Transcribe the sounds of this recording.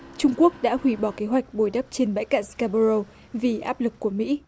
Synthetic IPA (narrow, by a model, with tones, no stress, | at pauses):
t͡ɕʊ˧ŋ͡mku˦˥ək̚ɗa̰ː˧˥hwi˧˩ɓɔ˧˩ke˨˦ɦwa˨˩jk̟̚ɓo˧˩jɗə˦˥p̚t͡ɕe˧nɓa̰˧˥jka̰ː˧˨nskaː˧ɓo˧zo˧ | vi˨˩ʔaː˦˥p̚lɨ˨˩kːu˧˩əmḭ˧˥